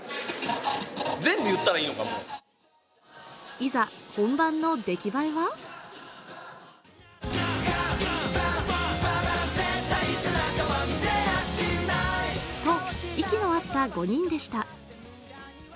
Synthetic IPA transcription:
d͡zzẽ̞mbɯ̟jɯ̟t̪ːaɾaiːnoka̰mo̰ | izahõ̞mbãnːo̞d̪e̞kʲibaiβa | aaaet̪asaoiseaɕinat̪o̞ikʲinoat̪ːaɡo̞ɲ̟ĩnd̪e̞ɕi̥t̪a

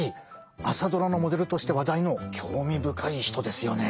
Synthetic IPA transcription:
i | asad̪o̞ɾano̞mo̞d̪e̞ɾɯ̟t̪o̞ɕi̥t̪e̞βad̪aino̞kʲʰo̞ːmʲibɯ̟kʰaiçi̥t̪o̞d̪e̞sɨjo̞ne̞

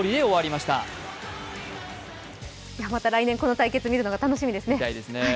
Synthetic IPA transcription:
oɾʲid̪e̞o̞βaɾʲimaɕi̥t̪a̰ | jamat̪aɾaineŋko̞no̞t̪aike̞t͡sɨmʲiɾɯ̟no̞ɡat̪ano̞ɕimʲid̪e̞sɨne̞aid̪e̞sɨne

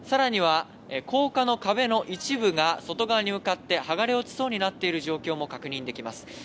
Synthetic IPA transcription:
saɾaɲ̟iβ̞a | ko̞ːkano̞kabe̞no̞ʔit͡ɕibɯ̟ɡaso̞t̪o̞ɡaβaɲ̟imɯ̟kat̪ːe̞haɡaɾeo̞t͡sɨ̥so̞ːɲ̟inat̪ːe̞iɾɯ̟ʑo̞ːkʲo̞ːmo̞kakɯ̟ɲ̟ĩnd̪e̞kʲimasɨ̥

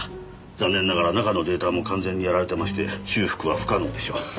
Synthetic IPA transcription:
d͡zãnːẽ̞nːaɡaɾanakano̞d̪e̞ːt̪amo̞kãñd͡zẽ̞ɲ̟ːijaɾaɾe̞t̪e̞maɕi̥t̪e̞ɕɨːɸɯ̥kɯ̟βaɸɯ̟̥kanod̪e̞ɕo̰

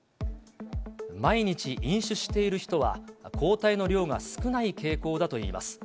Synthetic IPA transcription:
maiɲ̟it͡ɕiʔĩɰ̃ɕɨɕi̥t̪e̞iɾɯ̟çi̥t̪o̞βa̰kʰo̞ːt̪aino̞ɾʲo̞ːŋa̰sɨ̥kɯ̟naike̞ːko̞ːd̪at̪o̞ḭːma̰sɨ̥

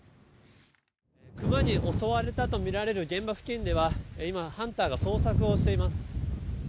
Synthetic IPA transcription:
kɯ̟maɲ̟iʔo̞so̞βaɾe̞t̪at̪o̞mʲiɾaɾe̞ɾɯ̟ɡẽ̞mbaɸɯ̟̥kʲĩnd̪e̞βaimahãnt̪aːɡaso̞ːsakɯ̟o̞ɕi̥t̪e̞imasɨ̥

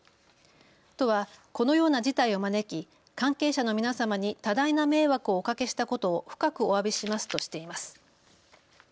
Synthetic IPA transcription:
t̪o̞βako̞no̞jo̞ːnad͡ʑit̪aio̞mane̞kʲi | kãŋke̞ːɕano̞mʲinasamaɲ̟it̪ad̪ainame̞ːβakɯ̟o̞ːkake̞ɕi̥t̪ako̞t̪o̞ːɸɯ̥kakɯ̟o̞abʲiɕimasɨ̥t̪oɕi̥t̪e̞imasɨ̥

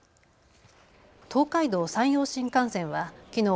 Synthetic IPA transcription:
t̪ʰo̞ːkaid̪o̞ːsãɰ̃jo̞ːɕĩŋkãɰ̃sẽ̞ɰ̃βakʲino̞ː

